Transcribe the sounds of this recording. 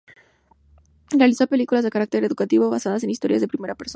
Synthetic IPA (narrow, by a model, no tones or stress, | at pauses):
realisope̞likulazðekaɾak̚t̪e̞ɾe̞ðukat̪iβo̞βasað̞ase̞nist̪o̞ɾja̰zðepɾime̞ɾape̞ɾson